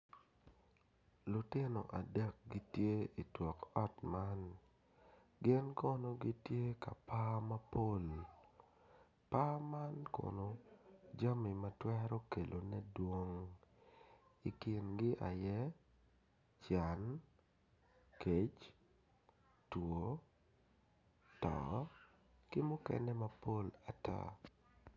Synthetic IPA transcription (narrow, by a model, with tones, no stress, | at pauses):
lʊ˨tɪ˦no̰˨ʔa˨dɛ˦k̚ɡi˦tje˦i˨twɔ˨kɔ˦tma˦n | ɡɪ˦nkɔ˦no˦ɡi˦tje˦ka˨pa˦mɐ˦po˦˨l | pa˦ma˦nkɔ̰˨no˨d͡ʒa˦mi˨mɐtwɛ˦ɾo˦ke˨lo˨nɛ˦dwo˦ŋ | i˨kɪ˨nɡɪ˦ʔa˨jɛ˦ | t͡ʃa˨n | ke˦t͡ʃ | two˨˦ | tɔ̰ | kɪ˦mʊ˦kɛ̰nɛ˦mapo˦la˨ta̰˦